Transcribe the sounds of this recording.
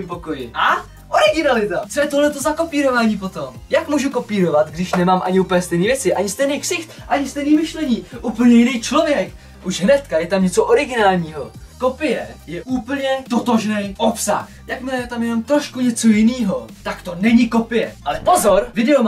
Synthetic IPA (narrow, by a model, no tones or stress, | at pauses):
mpokojɪʔa | ʔoɾɪɡɪnalɪt̪at͡so̞jɛt̪oɦlɛt̪o̞zako̞piːɾo̞vaːɲiːp̬o̞t̪o̞mjakmuːʒuko̞piːɾo̞vat̪ɡdɪʃnɛmaːmʔa̰ɲɪuːpl̩ɲɛst̪ɛjniːvjɛt͡sɪʔaɲɪst̪ɛjnejksɪxt̪ʔaɲɪst̪ɛjniːmɪʃlɛɲiːʔuːpl̩ɲɛjɪnejt͡ʃlo̞vjɛk | ʔuʒɦnɛt̪kajɛt̪amɲɛt͡soʔo̞ɾɪɡɪnaːlɲiːɦo̞ | ko̞pɪjɛjɛʔuːpl̩ɲɛt̪o̞t̪o̞ʒnɛjʔopsa̰x | jakmɪlɛjɛt̪amjɛno̞mt̪ɾoʃkuɲɛt͡so̞jɪniːɦo̞t̪akt̪o̞nɛɲɪko̞pɪjɛ̰ʔalɛpo̞zo̞ɾvɪdɛo